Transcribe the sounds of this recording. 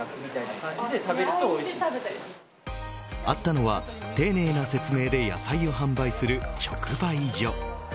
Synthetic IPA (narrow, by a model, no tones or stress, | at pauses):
iaiaet̪abeɾɯo | at̪ːano̞βa | t̪e̞ːne̞ːnase̞t͡sɨme̞ːd̪e̞ja̰saio̞ɦãmbaisɨɾɯ̟t͡ɕo̞kɯ̟baid͡ʑo̞